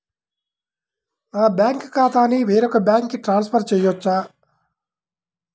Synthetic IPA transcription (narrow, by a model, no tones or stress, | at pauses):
aːbjaːŋkkaːt̪aːniʋeːɾɔkɐbʲjaːŋkːiʈɾaːnspʰɐɾt͡ʃɛːjɔt͡ʃːaː